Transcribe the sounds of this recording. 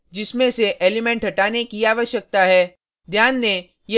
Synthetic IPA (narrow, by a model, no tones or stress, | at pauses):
d͡ʒɪsmẽseʔeːlɪmẽɳʈɦɐʈaːnekiaːʋəʃjək̚t̪aɦɛː | d̪ʱjaːnːe | je